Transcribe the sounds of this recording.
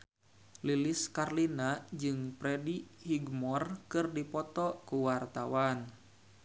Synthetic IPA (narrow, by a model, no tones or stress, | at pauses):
liliskarlinad͡ʒɨŋpɾɛdihiɡmɔrkɨrdipɔt̪ɔkuwart̪awan